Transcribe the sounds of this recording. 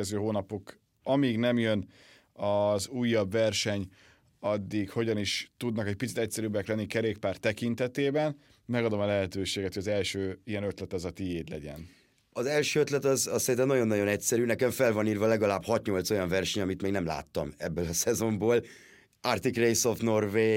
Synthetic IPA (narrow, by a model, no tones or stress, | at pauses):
ɛzøːɦoːnɒpo̞k | ɒmiːɡnɛmjøn | ɒzuːjːɒbvɛrʃɛɲ | ɒd̪ːikho̞ɟɒniʃt̪ud̪nɒkɛc̚pitsit̪ɛc̚sɛɾybːɛklɛnːikɛɾeːkpaːrt̪ːɛkint̪ɛt̪eːbɛn | mɛɡɒd̪o̞mɒlɛɦɛt̪øːʃeːɡɛt̪hojɒzɛlʃøːijɛnøt̪lɛt̪ɒzɒt̪ijeːd̪lɛ̰ɟɛ̰n | ɒzɛlʃøːøt̪lɛt̪ɒzɒssɛɾint̪ɛmnɒɟonːɒɟo̞nɛcsɛɾyːnɛkɛɱfɛlvɒniːrvɒlɛɡɒlaːbhɒt̪ɲo̞lt̪so̞jɒɱvɛrʃɛɲɒmit̪meːɡnɛmla̰ːt̪ːɒmɛbːøːlɒsɛzo̞mboːl | art̪ikrejsofno̞rveː